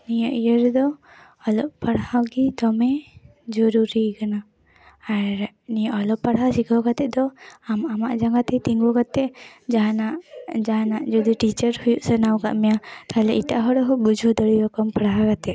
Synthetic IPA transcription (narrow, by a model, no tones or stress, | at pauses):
nijəʔijəɾd̪ɔ | ɔlɔʔpaɽhawɡit̪ɔmɛ | d͡ʒɔɾuɾikanaː | ɾ | nijəʔɔlɔppaɽɦasikʰakat̪ɛʔ̚d̪ɔmamaʔd͡ʒaŋɡat̪ɛt̪iŋbɔkat̪ɛʔanaʔd͡ʒanaʔd͡ʒɔd̪iʈit͡ʃəɾhujuʔsənawka̰ʔmɛjat̪aɦlɛʔit̪aʔɦɔɽɔɦɔbud͡ʒʱɔd̪ɔɽiɾɔkɔmpaɽɦakat̪ɛʔ̚